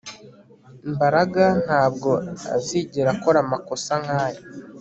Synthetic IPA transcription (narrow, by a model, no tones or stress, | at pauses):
mbaɾaɡan̥haːb̚ɡo̞a̰ziːɟeɾako̞ɾamako̞saŋ̥haːji